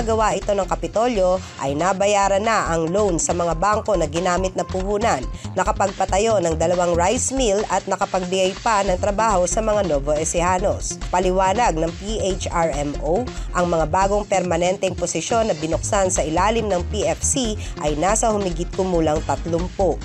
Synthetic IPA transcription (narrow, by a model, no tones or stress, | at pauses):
ɡɐwaʔɪt̪o̞nɐŋkɐpɪt̪o̞ljo̞ʔɐ̰jnabɐjaːɾɐnaʔɐŋlownsɐmɐŋabaŋko̞nɐɡɪnaːmɪt̪̚nɐpʊhuːnɐnːɐkɐpɐɡ̚pɐt̪ɐjo̞nɐŋd̪ɐlɐwaŋɹajsmilɐt̪̚nɐkɐpɐɡ̚bɪɡɐjpanɐŋt̪ɾɐbaːho̞sɐmɐŋanoːvoʔɛsɪhaːnospɐlɪwaːnɐɡ̚nɐŋpiʔet͡ʃaɹɛmʔowʔɐŋmɐŋabaːɡo̞ŋpɛɾmɐnɛnt̪ɛŋposɪʃjo̞nːɐbɪnʊk̚sansɐʔɪlaːlɪmnɐŋpiʔɛfsi | ʔɐjnasɐhʊmɪɡit̪kʊmuːlɐŋt̪ɐt̪lʊmpoʔ